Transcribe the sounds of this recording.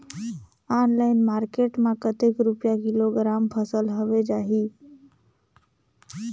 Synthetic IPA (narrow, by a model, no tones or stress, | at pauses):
aːnlaɪnmaːɾkeʈmãkət̪ekɾupjakiloɡɾampʰəsəlɦoʋed͡ʒaːɦiː